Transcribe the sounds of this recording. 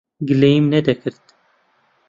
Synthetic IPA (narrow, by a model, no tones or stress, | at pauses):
ɡɨleimnɛd̪ɛkʰɨɾt̪